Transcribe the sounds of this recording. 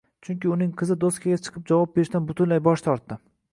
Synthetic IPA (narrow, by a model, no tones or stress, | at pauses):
t͡ʃʰʊŋkʲɪʊnɪŋqʰɨzɪd̪oskʲʰaɡʲat͡ʃʰɨ̥qʰɨp̚d͡ʒavɒp̚be̞ɾɪʃt̪anbʊt̪ʰʊnlajbɒʃt̪ʰɒɾt̪ːɪ